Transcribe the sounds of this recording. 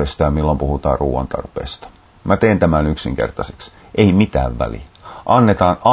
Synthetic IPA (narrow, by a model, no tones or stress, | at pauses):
est̪ɑjɑmilːompuhut̪ɑ̰ːrruːʋɑ̰nt̪ɑ̰rpḛːst̪ɑ̥ | mæt̪eːnt̪æmænyksḭŋke̞̰rt̪ɑseks | ʔeimit̪æ̰ːʋʋæ̰lḭʔɑnːet̪ɑːnɑ